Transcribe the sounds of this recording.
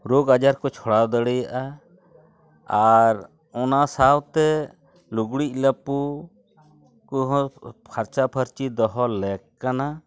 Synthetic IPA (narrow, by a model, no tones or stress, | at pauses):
ɾoɡad͡ʒaɾkɔt͡ʃʰɔɽad̪əɽɛjaʔa | aɾ | ɔnasawt̪ɛ | luɡɽic̚ʲˀləpu | kɔɦɔ̃pʰaɾt͡ʃapʰəɾt͡ʃid̪ɔɦɔlɛkkːana